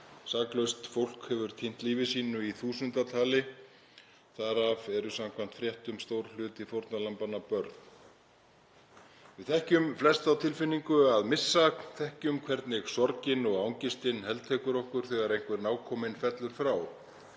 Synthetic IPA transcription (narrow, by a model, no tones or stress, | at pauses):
saːklœɥst̪fowl̥khɛvʏɾ̥t̪ʰin̥t̪liːvɪsiːnʏiθuːsʏnt̪at̪ʰaːlɪ | θaɾavɛɾʏsamkʰvam̥t̪fɾjɛht̪ʏmst̪owɾ̥l̥ʏːt̪ɪθowɾt̪nalampanapœɾt̪n | vɪðθɛhcʏmflɛst̪awt̪ʰɪlfɪnːiŋkʏaðmɪsːakθɛhcʏmkʰvɛɾt̪nɪɣsɔɾcɪnɔɣawŋcɪst̪ɪnhɛlt̪ʰɛːkʏɾɔhkʏɾ̥θɛɣaɾejŋ̥kvɛɾnaːwkʰɔːmɪnfɛt̪lʏɾ̥fɾaːw